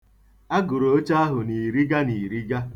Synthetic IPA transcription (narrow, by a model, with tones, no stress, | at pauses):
a˦ɡʊ˨ɾo˨o˦t͡ʃa˦a˦ɦʊ˨ni˨ɾi˦ɡa˦ni˨ɾi˦ɡa˦